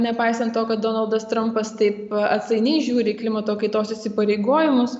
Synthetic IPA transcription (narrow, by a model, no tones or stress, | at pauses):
nʲɛpɐɪsɐnt̪t̪oːkɐt̪̚d̪oːnɐlˠd̪ɐst̪ɾɐmpɐst̪ɐɪpɐt̪sɐɪnʲɛɪʒʲuːɾʲɪklʲɪmɐt̪oːkɐɪt̪oːsɪsʲɪpɐɾʲeɪɡoːjɪmʊs